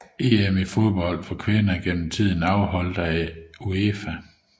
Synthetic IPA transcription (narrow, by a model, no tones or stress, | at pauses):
e̝emifo̝ðˠb̥ɒ̽l̰d̥fɒkʰʋe̝nɐɡ̥en̰m̩t͡sʰið̰ˠn̩ɑ̈ʊɦɒ̽l̰d̥ɐæoefæ